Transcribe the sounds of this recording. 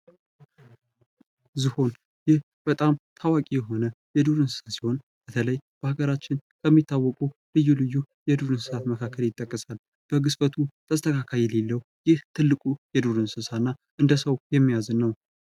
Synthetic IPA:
zɨho̞n | jɪh | bət̪ʼamt̪ʰawakʼijɛɦo̞nəjɛd̪uɾɨnsɨ̥sasi̥ho̞n | b̥ət̪ʰələjb̥əhaɡəɾat͡ʃːɪnkʰəmːit̪ʰːawːɔkʼulɨjːulɨjːu | jɛd̪uɾɨnsɨsat̪məkʰakʰːəljɪt̪ʼːəkʼːəsal | b̥əɡɨsfət̪ʰut̪ʰəst̪ʰəkʰakʰajɛlelːəw | jɪht̪ʰɨlːɨkʼujɛd̪uɾɨnsɨsanːaʔɨnd̪əsəwjɛmːijazɨnːəw

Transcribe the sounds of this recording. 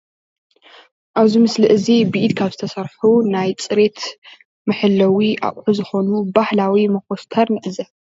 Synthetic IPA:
ʔaβzimɨslɨʔɨzibiʔid̪kʰaβzɨt̪ʰɐsɐɾħunajt͡sʼɨɾe̞t̪ | mɨħɨlːɐwiʔa̰ʔʼħuzɨxo̞nubahlawimɐkost̪ʰɐɾnɨʔɨzɐ

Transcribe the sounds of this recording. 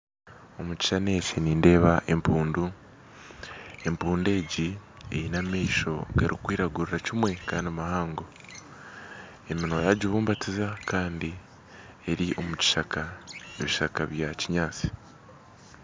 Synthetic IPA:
o̞muci̥ʃane̞ːceniːnde̞ːβaʔe̞mpuːndu | e̞mpuːnde̞ːɟi | ḛinamiːʃo̞̰ɡaɾikwiːɾaɡuɾiɾacimwe̞kaːndiamahaːŋɡo̞ | eminojaɟiβuːmbatizakaːndi | e̞ɾiʔo̞muci̥ʃakaeβiʃakaβjaciɲaːt͡si̥

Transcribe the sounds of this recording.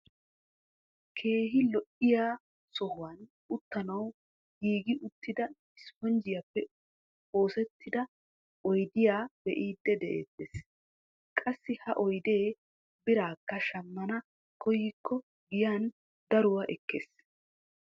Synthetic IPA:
kʰe̞ːɦɪlɔʔɪjaː | sɔhʊwɐn | ʊt̪ːɐnɐw | ɡiːɡɪʔʊt̪ːɪd̪ɐ | ɪspɔnd͡ʒɪjapːɛ | o̞ːsɛt̪ʰːɪd̪ɐ | ɔjd̪ɪjaːbɛʔiːd̪ːɛd̪ɛʔḛːt̪ːeːs | kʼɐsːɪhɐʔɔjd̪e̞ː | bɪɾaːkːɐʃɐmːɐnɐ | kʰɔjikʰːɔ | ɡɪjan | d̪ɐɾʊwaʔɛkːeːs

